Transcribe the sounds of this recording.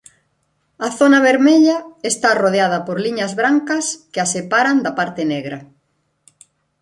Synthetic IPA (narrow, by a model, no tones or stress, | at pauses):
ɐθonɐβeɾmeʎɐest̪aroð̞eað̞ɐpoɾliɲɐzβɾaŋkɐskeasepaɾand̪apaɾt̪eneɣɾɐ